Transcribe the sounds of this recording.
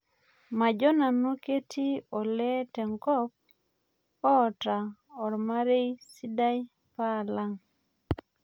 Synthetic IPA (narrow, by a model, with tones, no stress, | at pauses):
ma˨d͡ʒɔ˦na˨no˦ke˦tʰi˦ɔ˨lɛ˦tɛ˨ŋkɔ˦p̚ | ɔː˦˨ta˨ɔ˨ɾma˦ɾe˦jsi˦da˦j | pa˦˨la˦ŋ